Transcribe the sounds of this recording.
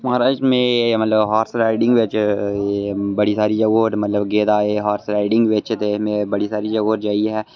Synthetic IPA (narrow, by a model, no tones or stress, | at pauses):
maːɾaːt͡ʃmẽmɐt̪ləbɦaːɾsɾaːɪɖɪ̃ŋɡʋet͡ʃː | bɐɽisaːɾid͡ʒɐɡoːɾmɐt̪ləbɡeːd̪aːeɦaːɾsɾaːɪɖɪ̃ŋɡʋeːt͡ʃet̪esmẽbɐɽisaːɾid͡ʒɐɡoːɾd͡ʒaːiɦɛː